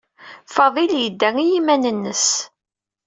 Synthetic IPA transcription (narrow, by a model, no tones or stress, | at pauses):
fɑðˤiljəd̪ːæŋijimænənːəs